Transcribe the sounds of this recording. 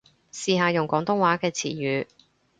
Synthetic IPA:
siː˨˧ɦaː˧jʊ˨˩ŋkʷɔː˨˥ŋt̪ʊ˥ŋwaː˨˥kɛː˧t͡sʰḭː˨˩jyː˨˧

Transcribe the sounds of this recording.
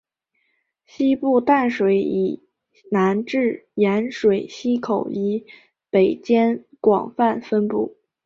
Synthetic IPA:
ɕi˥pu˥˧t̪a˥˩nʂwe˧˥ɪi˨˩ | na˧˥nʈ͡ʂɻ̩˥˩jɛ˧˥nʂwe˨˩ɪɕi˥kʰo˨˩ʊi˧˥ | pe˨˩ɪt͡ɕjɛ˥n | kwɑ̰˨˩ŋfa˥˩nfə˥npu˥˩

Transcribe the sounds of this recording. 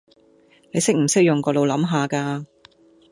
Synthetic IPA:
ne˨˧jsɪ˥k̚m̩˨˩sɪ˥k̚jʊ˨ŋkɔː˧lo˨wlɐ˨˥mɦaː˨kaː˧

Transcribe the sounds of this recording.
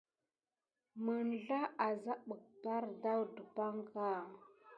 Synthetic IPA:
mə˨nɮa˦ʔa˨za˦ɓə˨k̚ba˦ɾda˦wdə˨pa˦ŋka˦˨

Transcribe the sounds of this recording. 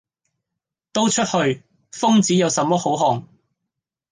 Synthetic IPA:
t̪o˥wt͡ʃʰɵ˥t̚hɵ˧ɥ | fʊ˥ŋt͡siː˨˥jɐ˨˧wsɐ˨˧mɔː˥ho˨˥wɦɔː˨˩ŋ

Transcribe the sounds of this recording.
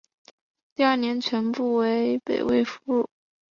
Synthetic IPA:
t̪i˥˧ɐ˞˥˩njɛ˧˥nt͡ɕʰɥɛ˧˥npu˥˩we˧˥ɪpe˨˩ɪwe˥˧ɪfu˧˥ɻu˥˩

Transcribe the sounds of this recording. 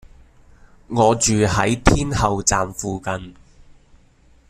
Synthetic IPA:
ŋɔː˨˧t͡ʃyː˨ɦɐ˨˥jt̪ʰiː˥nhɐ˨wt͡saː˨mfuː˨˧kɐ˨˧n

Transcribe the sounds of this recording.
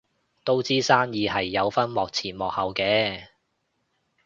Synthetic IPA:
t̪o˥wt͡siː˥saː˥njiː˨˧hɐ˨jːɐ˨˧wfɐ˥nmɔː˨k̚t͡sʰiː˨˩nmɔː˨k̚hɐ˨˧wkɛː˨˧

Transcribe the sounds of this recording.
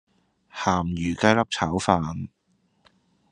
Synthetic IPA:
haː˨˩mjyː˨˩ka˥jlɐ˥p̚t͡sʰa˨˥wfaː˧n

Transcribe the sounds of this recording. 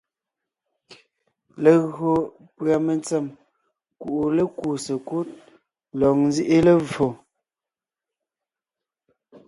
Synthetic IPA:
leə˨ɣo˨ | pɰa˨mə˨nt͡sɛ˦˨m | ku˨ʔu˨le˦ku˨sə˨ku˦t̚ | lɔ˨ŋ̚n˦zi˦ʔe˦lə˦vo˨

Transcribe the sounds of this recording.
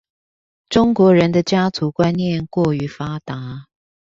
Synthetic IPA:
ʈ͡ʂʊ˥ŋkwɔ˧˥ɻə˧˦nd̪ə˧t͡ɕja˥t͡su˨˥kwa˥nnjɛ˥˨nkwɔ˥˩y˧˥fa˥t̪a˨˦

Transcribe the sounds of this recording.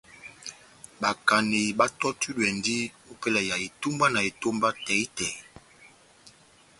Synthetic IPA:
ba˨ka˨ne˨ba˦tɔ˦tu˦dɛ˨ndi˦o˦pɛ˦la˨ja˨e˨tu˦mba˦na˨e˨to˦mba˦tɛ˨i˦tɛ˨˦

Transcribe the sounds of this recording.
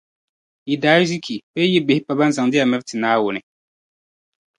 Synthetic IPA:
i˨daː˨˦zi˦kʰi˨bɛː˦jɛ˦bɪ˨hɪ˦pa˦ba˦n˦za˨ŋdɪ˦ja˨mɛ˦btɪ˨naː˦wʊ˨nɨ˨

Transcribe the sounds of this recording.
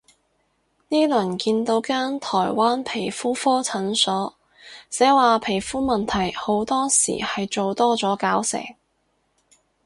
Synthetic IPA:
niː˥lɵ˨˩nkiː˧nt̪o˨˥wkaː˥nt̪ʰɔː˨˩jwaː˥npʰe˨˩jfuː˥fɔː˥t͡sʰɐ˨˥nsɔː˨˥ | t͡sɛː˨˥waː˨˧pʰe˨˩jfuː˥mɐ˨nt̪ʰɐ˨˩jho˨˥wt̪ɔː˥sḭː˨˩hɐ˨jt͡ʃo˨wt̪ɔː˥t͡sɔː˨˥kaː˨˥wsɛ̰ː˨˩ŋ

